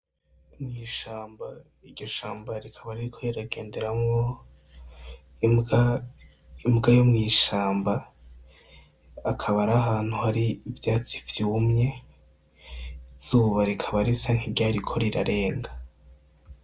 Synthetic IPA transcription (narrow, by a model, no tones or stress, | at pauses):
mŋiːʃaːmba | iɾɟo̞ʃaːmbaɾikʰaβaɾiɾikʰo̞iɾaɡeːnde̞ɾamŋo | imɡajomŋiːʃaːmba | kʰaβaɾaɦaːn̥huhaɾiːvjaːt͡si̥vjuːmɲe̞ | z̥uːβaɾikʰaβaɾisaŋ̥hiɾɟaːɾikʰo̞ɾiɾa̰ɾe̞ːŋɡḁ